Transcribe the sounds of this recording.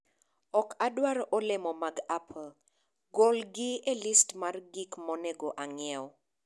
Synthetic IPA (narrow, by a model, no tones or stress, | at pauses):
ɔkadwaɾʔɔlɪmɔmaɡapʰl | ɡolɡɪelɪstmarɡikmɔneɡoʔaŋɪɛwɔ